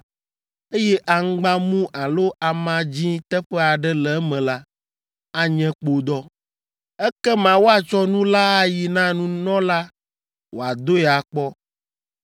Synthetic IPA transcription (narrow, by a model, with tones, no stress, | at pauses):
e˦jɛ˦ʔa˨ŋ̩˦ɡ͡bã˦mũ˦ʔa˨lo˦ʔa˨mã˦d͡ʑĩ˦t̪ɛ˦ɸɛ˦a˨ɖɛ˦lɛ˨˦mɛ̃˨la˦ | a˦ɲɛ̃˦k͡po˨d̪ɔ˦ | ɛ˦kɛ˦mã˨wo˦a˨t͡ʃɔ˦nũ˦la˦a˦ji˨nã˦nũ˦nɔ̃˦la˦ | wo˨a˨d̪o˦ɛ˨a˨k͡pɔ˦